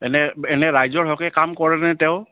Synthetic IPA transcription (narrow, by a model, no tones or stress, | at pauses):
ɛnɛɛnɛɹajzɔɹɦɔkɛkamkɔɹɛnɛtɛʊ